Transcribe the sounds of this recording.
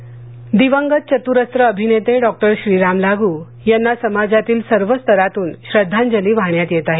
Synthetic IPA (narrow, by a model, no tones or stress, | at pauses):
d̪iʋəŋɡət̪̚t͡ɕət̪uɾəst̪ɾəːbʱinet̪eɖɔk̚ʈəɾɕɾiːɾamlaɡuː | janːasəmad͡zat̪iːlsəɾʋəst̪əɾat̪uːnɕɾəd̪ʱːand͡ʑəliːʋʱaɳjat̪jet̪aɦe